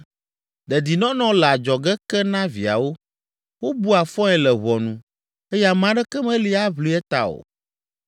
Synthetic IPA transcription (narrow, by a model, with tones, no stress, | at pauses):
d̪ɛ˨d̪i˨nɔ̃˦nɔ̃˦lɛ˨a˨d͡ʒɔ˨ɡɛ˦kɛ˦nã˦vi˨a̰˨wo˦ | wo˦bu˦a˨fɔ̃˦ɛ˨lɛ˨βɔ˨nũ˨ | e˦ja˨mã˨ɖɛ˦kɛ˦mɛ̃˦li˦a˦βli˦ɛ˦t̪a̰˨o̰˨